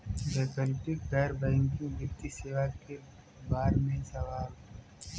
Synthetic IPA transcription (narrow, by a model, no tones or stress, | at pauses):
leːkəlʈɪkɡɛːɾbɛ̃ːŋkĩd̪ɪft̪iseːʋake | baːɾmẽsɐʋaːɾo